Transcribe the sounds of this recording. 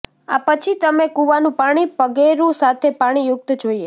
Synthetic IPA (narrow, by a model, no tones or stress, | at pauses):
a̰pət͡ʃʰit̪əmekuʋanũpaɽ̃ipəɡeɾũsat̪ʰepaɽ̃ijʊk̚t̪d͡ʒoie